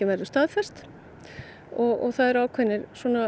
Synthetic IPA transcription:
ɪvɛɾðʏst̪aːðfɛst̪ | ɔɣɔ̰ɣθaðɛɾaːwkʰvɛnːɪɾswɔːna

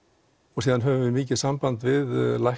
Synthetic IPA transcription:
ɔɣsiːðanɦœːvʏvɪmiːcɪ̥sampant̪vɪðlaj

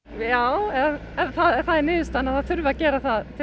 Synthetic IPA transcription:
jaːwɛɛθaðθaðɛɾnɪːðʏst̪anaðθaðθʏɾvɪacɛːɾaθaðt̪ʰɪ

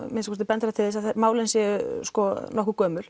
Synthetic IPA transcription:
mɪnskʰɔɾst̪ɪpɛnt̪ɾat̪ʰɪðɪsaðθɛɾmaːwlɪnsjɛɣʏskɔnɔhkʏkœːmʏɾ̥

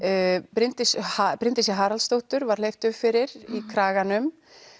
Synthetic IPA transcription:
pɾɪnt̪ɪshapɾɪnt̪ɪsjɛɦaːɾalst̪owht̪ʏɾvaɾ̥lejft̪ʏvfɪɾɪɾikʰɾaːɣanʏm

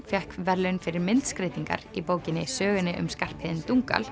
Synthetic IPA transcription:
fjɛhkvɛɾlʏnfɪɾɪɾmɪnt̪skɾeːt̪iŋka̰ɾipoːwcɪnːɪsœːɣɪnɪʔʏ̰mskar̥phɪːðɪnt̪uŋka̰l

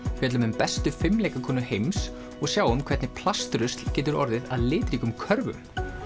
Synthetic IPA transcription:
vɛːt̪lʏmhʏmpɛst̪ʏfɪmleːjkakʰɔːnʏhejms | ɔɣsjaːwʏmkʰɛɾt̪nɪpʰlast̪ɾʏst̪l̥cɛːt̪ʏɾɔ̰ɾðɪðaðlɪːt̪ɾiːkʏmkʰœɾvʏ̰m

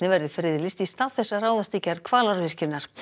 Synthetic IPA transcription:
nɪvɛɾðɪfɾɪðɪlɪst̪ist̪aːθɛsːaraːwðast̪ɪcɛɾðkʰv̥aːlaɾvɪr̥cɪnaɾ̥

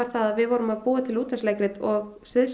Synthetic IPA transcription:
aɾ̥θaðaðvɪðvɔːɾʏmaðpuːat̪ʰɪluːt̪aslejkɾɪt̪ɔɣsɪðs

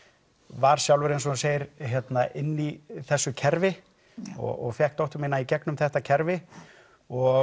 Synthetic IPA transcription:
vaɾ̥sjawlvɛɾɪnsɔunseːjɪɾɦjɛt̪naʔɪnːiθɛsːʏcʰɛɾvɪ | ɔ̰ɣɔ̰ɣfjɛhk̚t̪owht̪ʏmɪnːaicɛknʏmθɛht̪acʰɛɾvɪ | ɔ

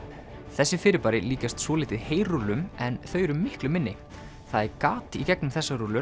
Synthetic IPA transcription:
θɛsːɪfɪːɾɪpaːɾɪliːcast̪svɔːlɪːt̪ɪðheːjrulʏmɛnθœɥjɾʏmːɪhklʏmːɪnːɪ | θaðɛɾkaːt̪icɛknʏmθɛsːaɾulʏ

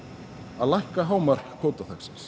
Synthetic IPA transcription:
aðlajhkaɦaːwmaɾ̥kʰːoːwt̪aθɛksɪ̥ns

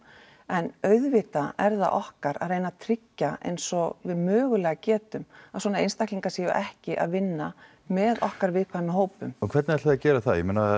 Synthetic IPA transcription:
ɛnœɥðvɪt̪aɛɾða̰ʔɔhkaɾa̰ðreːjnat̪ʰɾɪcːaḛjnsɔɣvɪðmœːɣʏlɛːɣacɛːt̪ʏmav̥swɔːnaḛjnst̪ahkliŋkasiːjʏ̰ʔɛhcɪʔa̰ðvɪnːa | mɛðɔhkaɾvɪðkʰvanɦoːwpʏmɔkʰvɛɾt̪nɛɾt̪aacɛːɾaθaðjɛmena

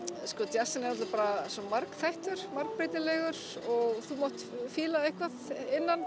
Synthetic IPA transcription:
skɔt̪jar̥sɪnɛɾat̪apaːɾasɔmaɾkθajht̪ʏɾ̥maɾk̚pɾeːjt̪ɪlɛɣʏɾ̥ | ɔɣθumowht̪fɪːlaɪhkvaðɪnːan

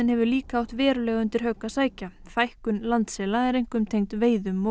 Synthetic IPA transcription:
ɪnhɛvʏɾliːkaawht̪vɛːɾʏlɛɣʏnt̪ɪɾ̥ɦœkasaːjcafajhkʏnlant̪sɛːlaɛɾejŋ̥kʏmt̪ʰejŋt̪veːjðʏmːo

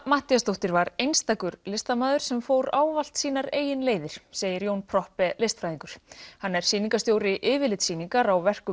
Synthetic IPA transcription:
maht̪iast̪owht̪ɪɾvaɾejnst̪aːkʏɾlɪst̪amaːðʏɾ̥sɛmfowɾaːwval̥t̪siːnaɾeːjɪnleːjðɪɾ̥seːjɪɾjownpʰɾɔhpɛlejst̪fɾajðiŋkʏɾ̥hanːɛɾ̥siːniŋkast̪jowɾɪʔɪːvɪlɪt̪siːniŋkaɾawvɛr̥kʏ

